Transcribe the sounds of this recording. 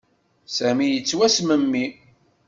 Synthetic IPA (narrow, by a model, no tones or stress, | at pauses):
sæmijət͡sːwæsməmːi